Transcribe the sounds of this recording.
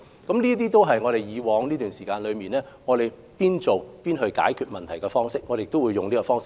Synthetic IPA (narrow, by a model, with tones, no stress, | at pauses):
kɐ˨˥mniː˥t̪̬iː˥t̪o˥wɦɐ˨jŋɔː˨˧ɾe˨jjiː˨˧wɔː˨˧ŋliː˥t̪yː˨nsiː˨˩kaː˧nlɵ˨˧ɥmiː˨nlɛː˥ŋɔː˨˧ɾe˨j | piː˥nt͡so˨wpiː˥nɦɵ˧ɥka̰ː˨˥jkʰyː˧t̚mɐ˨nt̪ʰɐ˨˩jkɛː˧fɔː˥ŋsɪ˥k̚ŋɔː˨˧e˨kt̪wuː˨˧jːʊ˨ŋnliː˥kɔ˧fɔː˥ŋsɪ˥